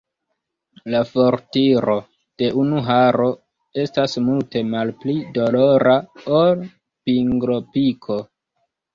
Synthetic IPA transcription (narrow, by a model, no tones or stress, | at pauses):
lafoɾtiɾo̞ | d̥e̞ʔunuɦaɾo̞ | e̞stasmulte̞malplidolo̞ɾʔaol | piŋɡlopikʰo̞